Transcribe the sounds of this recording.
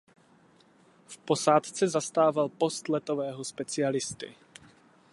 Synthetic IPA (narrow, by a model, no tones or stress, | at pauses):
fpo̞saːt̪t͡sɛzast̪aːvalpo̞st̪lɛt̪ovɛːɦospɛt͡sɪalɪst̪ɪ̰